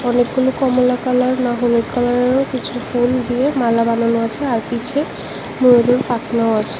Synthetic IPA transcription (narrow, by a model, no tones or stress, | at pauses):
ɔnekɡulokɔmolakalaɾnaɦoloʈkalaɾekit͡ɕʰufond̪iemalabananoat͡ɕʰeaɾpit͡ɕʰe | mueɾoɾpak̪naoat͡ɕʰe̥